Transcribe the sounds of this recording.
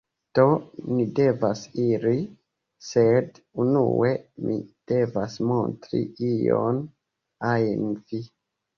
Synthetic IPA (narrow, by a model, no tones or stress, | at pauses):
d̥o̞nide̞vasiɾi | sed | unṵe̞mḭd̥e̞vasmo̞ntɾḭijo̞n | ajnvi